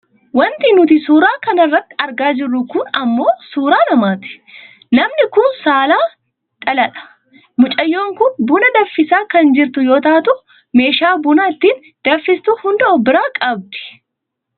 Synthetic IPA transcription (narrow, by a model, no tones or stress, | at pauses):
wɐnt̪inʊt̪ɪsuːɾaːkɐnɐrːɐt̪ːɪ̥ɐɾɡaːd͡ʒɪrːʊkʊnɐmːo̞ːsuːɾaːnɐmaːt̪ɪ̥ | lɐmnɪkʊnsaːlaː | t̪ʼɐlɐᶑɐ̥ | mʊt͡ʃʼɐjːo̞ːŋkʊnbʊnɐd̪ɐfːɪsaːkɐnd͡ʒɪɾt̪ʊjo̞ːt̪aːt̪ʊʔ | me̞ːʃaːbʊnɐɪt̪ːiːn | d̪̥ɐfːɪst̪uːhʊnd̪ɐʔɔbɪɾaːkʼɐb̚d̪ɪ̥